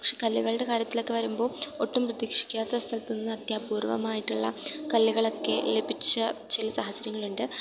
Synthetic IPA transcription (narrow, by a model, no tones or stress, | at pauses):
ɐkʂeːkɐlːiɣɐɭɨɽe̞kaːɾjɐt̪ːilo̞kːe̞ʋɐɾumbo̞ːo̞ʈːumprɐðiːkʂi̥kʲːaːt̪ːest̪ʰɐlt̪ːunːɐnːɨɐt̪jaːpuːrʋɐ̰maːjiʈːuɭːɐ̰kɐlːiɣɐɭo̞kːe̞̰lebʱit͡ɕːɐt͡ɕilɐsaɦɐsjɐɾjɐŋːɐɭuɳɖɨ